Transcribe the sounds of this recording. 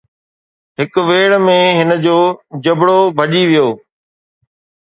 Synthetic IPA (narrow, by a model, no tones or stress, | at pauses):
ɦɪkʋeːɽmẽɦɪnə̆d͡ʑoːd͡ʑɐbʱɽobʱɐʄiʋijoː